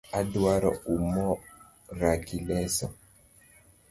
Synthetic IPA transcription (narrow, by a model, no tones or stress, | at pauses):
adwaɾɔ̰umɔ | ɾakilɛsɔ